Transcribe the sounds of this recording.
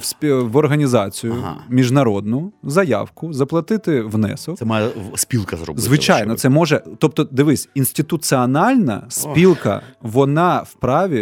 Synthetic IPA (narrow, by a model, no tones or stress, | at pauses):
sʲʋɔrɦɐnʲizɑt͡sʲijʊ̰mʲiʒnɐɾɔd̪nʊzɐjɑ̰wkʊzɐplˠɐt̪ɪt̪ɪʋnɛ̰sɔsɛmɑjɛsʲpʲilˠkɐzrɔ̰bzʋɪt͡ʃajnɔt̪sɛmɔʒɛt̪ɔp̚t̪ɔd̪ɪʋɪsʲinsʲt̪ɪt̪ʊsɨɐnɑlʲnɐ̰sʲpʲilˠkɐ̰ʋɔnɑwpɾɑʋʲi